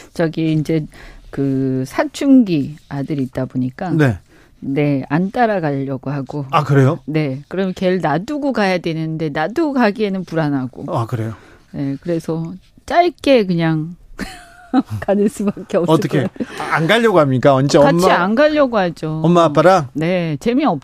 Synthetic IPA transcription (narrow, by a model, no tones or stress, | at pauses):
t͡ɕaɡiːnd͡ʑe̞kɯsʰat͡ɕʰuŋɡiadɯɾit̚t͈aboɲik͈ane̞ | ne̞ant͈aɾaɡaʎːʌɡoɦaɡoakɯɾe̞jone̞kɯɾʌmjʌke̞ɭnaduɡokajadwe̞nɯnde̞nadukaɡie̞nɯnpuɾanɦaɡoakɯɾe̞jo | ne̞kɯɾe̞sʰʌ | t͡ɕ͈aɭk͈e̞kɯɲaŋ | kanɯns͈ɯbak͈eʌtʰʌkʰeanɡaʎːʌɡoɦamɲik͈aʌnd͡ʑekamt͡ɕʰianɡaʎːʌɡoɦad͡ʑoʌmːap͈aɾane̞t͡ɕe̞miʌp̚